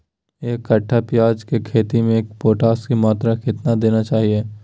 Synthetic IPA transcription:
eːkːɐʈʰːapɪjaːd͡ʒkekʰeːt̪imẽeːk̚poːʈaːskimaːt̪ɾakɪt̪nad̪eːnat͡ʃaːɦieː

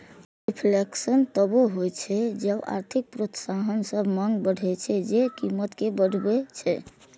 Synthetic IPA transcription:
ɾipʰleksənt̪əboɦojt͡ʃʰɛd͡ʒəba̰ɾt̪ʰik̚pɾot̪saɦənsəbʱməŋɡbəɽʱɛt͡ʃʰɛd͡ʒekimːət̪kebəɽʱbɛt͡ʃʰɛ

